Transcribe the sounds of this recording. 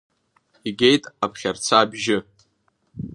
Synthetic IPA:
iɡʲe̞jtʼapʰχʲart͡sʰaːbʒɪ

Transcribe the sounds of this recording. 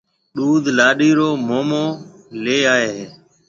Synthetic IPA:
ɗuːd̪ʱlaːɗiːɾoːmoːmoː | leːaːɦeː

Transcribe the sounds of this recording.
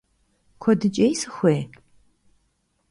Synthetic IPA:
kʷʰɔdɨt͡ʃʼejsɨxʷeː

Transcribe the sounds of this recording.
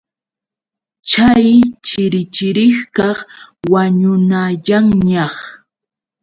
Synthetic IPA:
t͡ʃajt͡ʃɪɾɪt͡ʃɪɾɪχkɑχwaɲʊnaʎaŋɲɑχ

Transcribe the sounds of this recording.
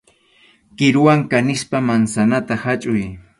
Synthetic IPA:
kɪɾʊwaŋkanɪspamansanat̪ahat͡ʃʼʊj

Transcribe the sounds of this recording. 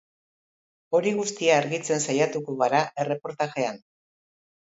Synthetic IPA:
o̞ɾiɣust̪iaːɾɣit͡se̞nsajat̪ukoɣaɾaʔe̞re̞po̞ɾt̪aʝe̞an

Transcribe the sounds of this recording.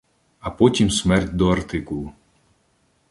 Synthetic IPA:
ɐpɔtʲimsmɛrtʲd̪ɔɐrt̪ɪkulˠʊ

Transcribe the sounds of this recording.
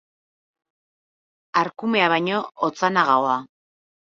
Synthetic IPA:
aɾkume̞aβajɲo̞ot͡sanaɣawa

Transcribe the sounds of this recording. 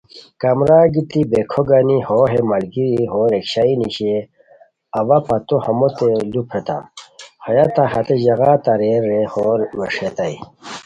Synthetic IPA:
kɐmɾaːɡit̪ibekʰoɡanihoːɦemɐlɡiɾiɦoːɾekɕainiɕe | ɐʋapɐt̪ohɐmot̪elupʰet̪a̰mhɐjat̪aɦɐt̪eʑɐɣaːt̪ɐɾeːɾːehoːɾmeʂet̪ai

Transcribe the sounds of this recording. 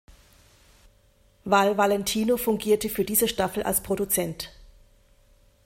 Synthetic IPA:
valvalɛntʰiːnofʊŋɡiːɐtəfyːɐdiːzəʃtafl̩ʔa̰lspʁ̥odut͡sɛnt

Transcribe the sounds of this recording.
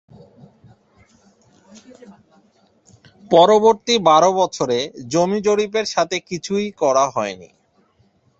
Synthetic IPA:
pɔɾoboɾt̪ibaɾobɔt͡ɕʰoɾed͡ʑomid͡ʑoɽipeɾʃat̪ʰekit͡ɕʰujkɔɾaɦɔenḭ

